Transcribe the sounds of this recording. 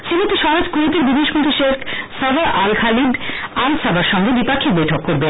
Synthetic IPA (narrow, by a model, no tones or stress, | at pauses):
ʃemot̪eʃɔɾad͡ʑkuet̪eɾbid̪ʱeʃmõnt̪ɾiʃekʰsab̪aɾʔalkʰalidansabaɾʃɔŋɡebipakʰːik̚bojʈʰokːoɾbe